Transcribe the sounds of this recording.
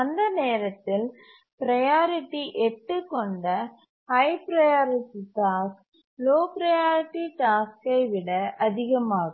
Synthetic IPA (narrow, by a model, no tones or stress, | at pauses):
ɐnd̪ɐneːɾɐt̪ːɪl | pɪɾɐjaːɾɪʈːiʔɛʈːɯkːɔɳɖɐ | hɐɪpɪɾɐjaːɾɪʈːiʈaːs | loːpɪɾɐjaːɾɪʈːiʈaːskɐɪʋɪɽɐʔɐðɪɣɐmaːɣɐ